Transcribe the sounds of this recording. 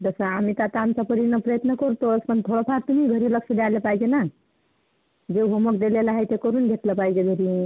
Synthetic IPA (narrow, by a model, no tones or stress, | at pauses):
d̪əsaamit̪at̪amt͡ʃapəɾinəpɾəjət̪nəkɔɾt̪oəspənt̪ʰoɽapʰaɾt̪umiɡʱəɾiləksəd̪alepajd͡ʒena | d͡ʒeɦomokd̪elelaɦəjt̪ekoɾunɡʱeʈ̪lepajd͡ʒeɡʱəɾi